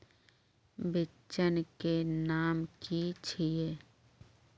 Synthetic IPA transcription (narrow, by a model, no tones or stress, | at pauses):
bɪ | t͡ʃənkenaːmkit͡ʃʰije